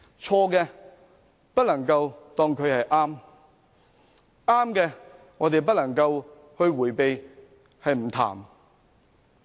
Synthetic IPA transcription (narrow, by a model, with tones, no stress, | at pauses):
t͡ʃʰɔː˧kɛː˧ | pɐ˥t̚lɐ˨˩ŋkɐ˧wt̪ɔː˥ŋkʰɵ˨˧ɥhɐ˨jʔaː˥m | ʔaː˥mkɛː˧ | ŋɔː˨˧t̪e˨jp̬ɐ˥t̚lɐ˨˩ŋkɐ˧w | hɵ˧ɥwuː˨˩jpe˨j | hɐ˨jm̩˨˩t̪ʰa̰ː˨˩m